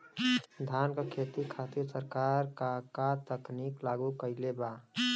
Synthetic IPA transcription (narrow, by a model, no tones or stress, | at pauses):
d̪ʱankakʰet̪ikʰat̪iɾsəɾkaɾkakat̪əkniklaɡukəɪleba